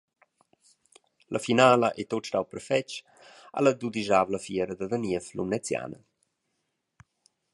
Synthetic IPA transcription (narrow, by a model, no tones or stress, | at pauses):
lʔafinaːləʔɛt̪ot̪awpəɾfɛt͡ʃ | a̰ləd̪ud̪iʒaːvləfjɛɾəd̪əd̪əniəflṵmnɛt͡sja̰ːnə̰